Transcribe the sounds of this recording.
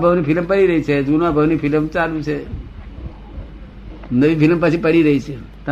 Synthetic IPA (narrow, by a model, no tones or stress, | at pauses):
bʱəʋnipiləmpəɽiɾəɦit͡ʃʰed͡ʒunabʱəʋnifʰiləmt͡ʃalũt͡ʃʰe | nəʋĩfiləmpət͡ʃʰipəɽiɾəɦit͡ʃʰe | t̪ə